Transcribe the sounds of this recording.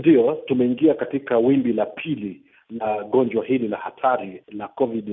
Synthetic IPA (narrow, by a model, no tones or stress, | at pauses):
ndiɔtumɛiŋɡiakatikawimbilapʰili | laɠɔnd͡ʒwahililahatʰaɾilakɔviɗ